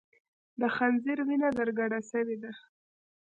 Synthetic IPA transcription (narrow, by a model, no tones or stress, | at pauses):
d̪əxanziɾwinad̪əɾɡaɽasəwed̪a